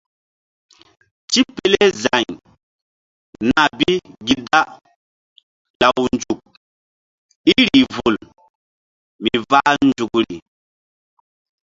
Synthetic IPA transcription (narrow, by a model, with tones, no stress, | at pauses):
t͡ʃi˦pe˦le˦za˨ɲ | na˨bi˦ɡi˦da˦ | la˨wnd͡ʒu˨k̚ | i˦ɾi˨vu˨l | mi˨va˦nd͡ʒu˨kɾḭ˨